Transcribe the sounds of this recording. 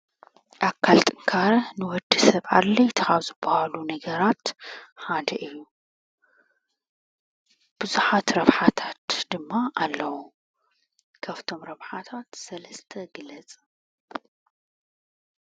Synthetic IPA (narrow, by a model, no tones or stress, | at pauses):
ʔakʰːalt̪ʼɨŋkʰaɾɐnɨwɔd̪ːisɐβa̰ɾlɐjt̪ʰɐxaβzɨbɐhalunɐɡɐɾat̪ħad̪ɐʔɨjːu | b̥ɨzuħat̪ɾɐβħat̪ʰat̪d̪ɨmːaʔalːɐwu | kʰaβt̪ʰo̞mɾɐβħat̪ʰat̪sɐlɐst̪ʰɐɡɨlɐt͡sʼ